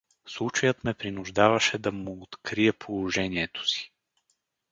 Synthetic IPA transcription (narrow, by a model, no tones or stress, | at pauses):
slˠut͡ʃɐjət̪mɛpɾinuʒd̪avɐʃɛd̪ɐmoot̪kɾiɛpʰolˠoʒɛniɛt̪o̥si̥